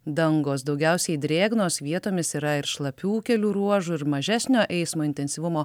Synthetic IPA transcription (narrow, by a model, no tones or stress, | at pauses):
d̪ɐŋɡoːsd̪ɒʊɡʲæˑʊsʲɛɪd̪ʲɾʲeːɡnoːsʋʲiɛt̪oːmʲɪsiːɾɐɪɾʃlˠɐpʲuːkʲɛlʲuːɾuɔʒuɪɾmɐʒʲæsʲnʲoːʔɛɪsmoːɪnʲt̪ʲɛnʲsʲiʋʊmoː